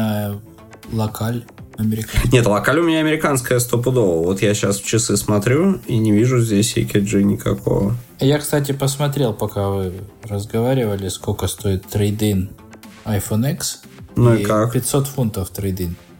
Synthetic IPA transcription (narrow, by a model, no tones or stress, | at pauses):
lˠɐkʰalʲɐmʲɪɾʲɪkannʲet̪lˠɐkalʲʊmʲɪnʲaɐmʲɪɾʲɪkanskəjəst̪op̬əd̪olˠvot̪jaɕasft͡ɕɪsɨsmɐt̪ɾʲuinʲɪvʲiʐʊzʲdʲesʲḛkʲɪʐɨnʲɪkɐkʰo̞̰vəjakst̪at̬ʲɪpəsmɐt̪̬ɾʲe̞lˠpɐkavɨɾəzɡɐvaɾʲɪvəlʲɪskolʲkəst̪o̞ɪt̪ːɾɪd̪in | ɐjfoniks | nuikakpʲɪt̪ʲso̞t̪funt̪əft̪ɾɪd̪in